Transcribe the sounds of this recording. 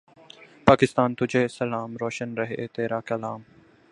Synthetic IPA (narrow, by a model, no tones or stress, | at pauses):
paːkɪst̪aːnt̪ʊd͡ʒʱeːsəlaːmɾɔːʃənɾəɦet̪eːɾaːkəlaːm